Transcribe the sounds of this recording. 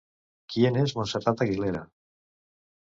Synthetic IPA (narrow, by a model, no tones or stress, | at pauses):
kienezmonserat̪aɣileɾa̰